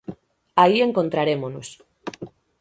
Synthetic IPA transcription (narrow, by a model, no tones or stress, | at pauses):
aieŋkont̪ɾaɾemonos